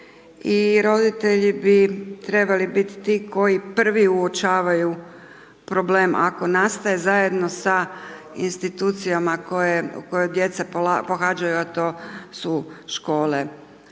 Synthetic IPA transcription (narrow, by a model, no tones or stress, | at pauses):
iɾo̞d̪it̪e̞ʎibit̪ɾe̞balibit̪ːikʰo̞jipr̩ʋiuot͡ʃaːʋaju | pɾo̞bleːmʔa̰ko̞naːst̪aje̞zaje̞d̪no̞sa | ḭnst̪it̪uːt̪sijamakojeṵko̞jojd̪je̞t̪sapoapo̞xaːd͡ʒajuat̪o̞ːsuʃko̞ːle̞